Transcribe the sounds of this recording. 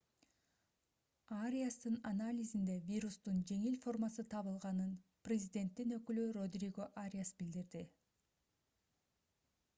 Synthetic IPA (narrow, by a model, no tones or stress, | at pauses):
aɾʲijast̪ɯnanalʲizind̪e̞vʲiɾust̪und͡ʒe̞ŋilfo̞rmasɯt̪ʰɑβɯlˠʁɑnɯnprʲɪzʲɪd̪ʲe̞nt̪ːinø̞kylyro̞d̪rʲiɡo̞ʔaɾʲijasbild̪iɾd̪i